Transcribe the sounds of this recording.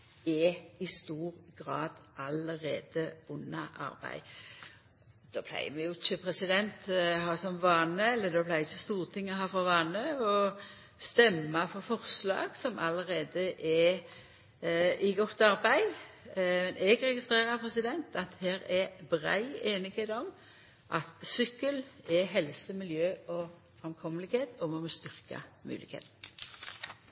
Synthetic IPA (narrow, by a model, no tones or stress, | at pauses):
ɛɪst̪uːɾɡ̥ɾɑːd̪̥ʔɑləɾḛːd̪əʊnːɑʔɑ̰ɾbæ̰ɪ | d̪̥oːpʰlæ̰ɪəmɛjʊɪçːəpʰɾɛsɪd̪ɛnt̪ɦɑːsɔmʋɑːnəɛlːəd̪oːpʰlæɪɪçːəst̪uːʁt̪ʰɪŋːəhɑːfɔʁʋɑːnəɔ | st̪ɛmːɑfɔɾfɔʁslɑ̰ːɡsɔmʔɑləɾeːd̪əʔɛ | ɪɡɔt̪ːɑɾbæɪ | mɛnʔɛɡʁɛɡɪst̪ʁeːʁəpʰɾɛsɪd̪ɛnt̪ɑt̪hæːɾɛbʁæ̰ɪeːnɪɡeːd̪ɔm | ʔɑt̪sʏkːəlɛɦɛlsəmɪljøːɔ | fʁɛmkʰɔməlɪɡheːt̪ʰɔmɔmɔst̪ʏʁkɑ̰mʉ̰ːlɪ̰khḛːt̪n̩